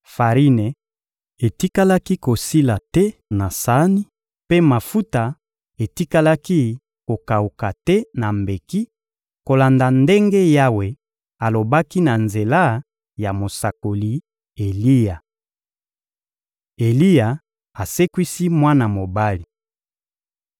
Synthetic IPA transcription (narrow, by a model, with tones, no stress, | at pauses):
fa˨ʁi˦ne˨ | e˨ti˦ka˦la˦ki˦ko˨si˦la˨tɛ˦na˨sa˦ni˦ | pe˦ma˨fu˦ta˨ | e˨ti˦ka˦la˦ki˦ | ko˨ka˨u˨ka˨tɛ˦na˨mbe˨ki˦ | ko˨la˨nda˨nde˦ŋɡe˦ja˦we˨ | a˨lo˨ba˦ki˦na˨nze˨la˦ | ja˨mo˨sa˨ko˨li˨ | e˨li˦ja˨ | e˨li˦ja˨ | a˨se˦kwi˦si˦mwa˦na˨mo˨ba˦li˨